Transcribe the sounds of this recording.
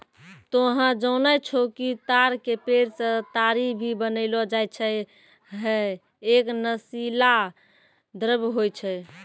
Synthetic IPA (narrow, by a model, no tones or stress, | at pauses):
t̪oɦãd͡ʒəʊnajt͡ʃʰokit̪aɾkepeɾsə̃t̪aɾibʱibənəlɔd͡ʒajt͡ʃʰɛ | ɦɛ | eknəsila | d̪əɾəbɦojt͡ʃʰɛ